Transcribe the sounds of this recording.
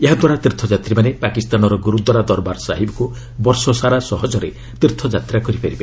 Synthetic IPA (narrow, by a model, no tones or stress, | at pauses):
eɦad̪waɾat̪ɾit̪ʰɔd͡ʒat̪ɾimanepakist̪anɔɾɔɡuɾud̪wɔɾad̪ɔɾbaɾsaɦibɔku | bɔɾsɔsaɾasɔɦɔd͡ʒɔɾe | t̪ɾit̪ʰɔd͡ʒat̪ɾakɔɾipʰaɾibe